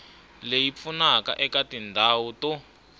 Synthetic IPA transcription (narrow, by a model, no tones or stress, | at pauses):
lejip̪funaka̰ʔɛkatindʱawutɔ